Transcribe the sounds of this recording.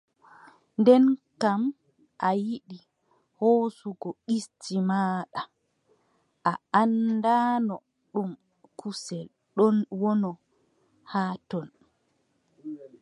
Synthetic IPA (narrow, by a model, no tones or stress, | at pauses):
ndɛnkam | ʔajiɗi | hoːsuɡɔistimaːɗa | ʔaandaːnɔ | ɗum | kusɛl | ɗɔnwɔnɔ | hatɔn